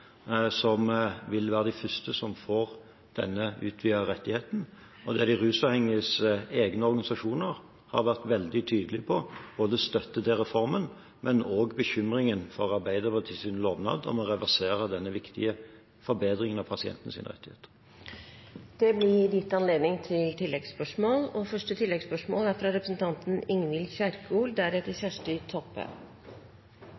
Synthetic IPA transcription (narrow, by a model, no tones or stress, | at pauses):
sɔmʋɪlʋæːʁəd̪æɪfʏst̪əsɔmfoːʁ | d̪̥ɛ̰nːəʉ̰ːt̪ʰʋiːəɾɛt̪ːɪheːt̪n̩ | ɔd̪ɛd̪ɪʁʉːsɑʋhɛŋːəəseːɡnəɔɾɡɑnɪsɑʂuːnəʁ | hɑ̰ɾʋæʁt̪ʋɛld̪ɪt̪ʰyːd̪əlɪpʰɔb̥oːd̪əst̪œt̪ːət̪ʰɪlʁɛfɔɾmən | mʔɛnoːɡbəçʏmɾɪŋənfɔʁɑʁbæɪd̪əʁpət̪ʰɪsɪnloːʋnɑ̰ːd̪ɔ̰mɔʁɛʋæʁseːʁəd̪ɛnːəʋɪkt̪ɪ̰ə | fɔɾbeːd̪ʁɪŋənɑʋpʰɑsɪɛ̰nt̪n̩sɪ̰nʁɛ̰t̪ːɪhḛːt̪ə̥ | d̪̥ɛblɪd̪ɪt̪ːɑnleːd̪nɪŋt̪ʰɪlt̪ʰɪlːɛɡspœʂmoːlɔfœʂʈət̪ʰɪlːɛɡspœʂmoːlæɾfɾɑɾɛpɾəsn̩t̪ʰɑnt̪n̩ɪŋʋɪlçæɾkuːld̪æɾɛt̪ːəçæʂʈʏt̪ʰɔpːə̰